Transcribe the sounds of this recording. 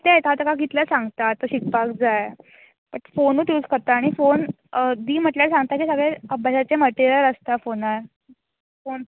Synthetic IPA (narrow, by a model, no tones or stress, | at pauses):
t̪eet̪ɦat̪əkaɡit̪ləsaŋɡt̪at̪ːəɾɕikpakd͡zaj | pəʈfonuːt̪juːskəɾt̪aːɽ̃ifon | d̪iːm̤əʈljaɾsãŋɡt̪akisəɡɭeəbjaɕat͡seməʈiɾijəɾəst̪afonaɾ | fon